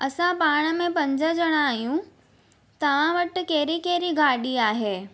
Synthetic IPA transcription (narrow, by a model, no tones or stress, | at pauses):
ɐsãpaːɽ̃əmẽpɐ̃ɲd͡ʑəd͡ʑɐɽ̃ãːijũ | t̪ɐʋ̤ãʋəʈkeːɾikeːɾiɡaːɗiaːɦeː